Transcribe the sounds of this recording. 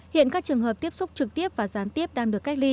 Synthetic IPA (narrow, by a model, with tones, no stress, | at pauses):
hḭ˧˨ənkaː˦˥k̚t͡ɕɨ˨˩əŋɦəː˨˩p̚t̪i˦˥əp̚sʊ˦˥k͡p̚t͡ɕɨ˨˩k̚t̪i˦˥əp̚vaː˨˩zaː˨˦nt̪i˦˥əp̚ɗaː˧ŋɗɨ˨˩əkːa˦˥jk̚li˧